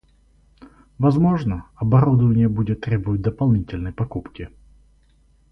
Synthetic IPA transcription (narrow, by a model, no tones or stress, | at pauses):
vɐzmo̞ʐnəɐbɐɾud̪əvənʲɪjəbudʲɪt̪ːɾʲebəvət̚ʲd̪əpɐlˠnʲitʲɪlʲnəjpɐkupkʲɪ